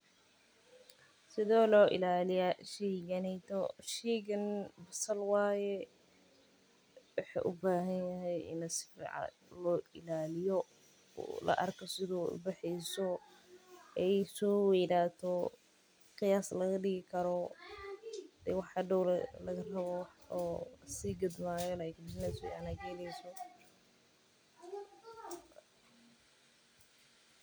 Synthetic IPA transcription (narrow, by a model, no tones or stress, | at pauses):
sɪðɔːlɔːʔɪ̰laːlɪjaʃɛɡɐnɛjt̪ʰɔʃɛːɡɐnbɐsɐlwaːjɛ | wɑħa̰ʔʊbaːɦɐnjɐɦɛjɪ̰nɐsɪ̥fḭʕɑ̰ | lɔːʔɪlaːlɪjɔ̰ | lɐ̰ʔɐ̰rkʰɔsɪðɔːʊ̰bɐħɛjsɔ | ɛjsɔːwɛjnaːt̪ʰɔ | qɪjaːslɐɣɐɖɪɣɪkʰɐɾɔ | d̪̥ɛwɑħɐɖɔwllɐɣɐrɐβɔwɔsiːɡɐd̪maːjɔlajkd͡ʒɪnɛsɛ̰ɐ̰nɐɡɛːlɛjsɔ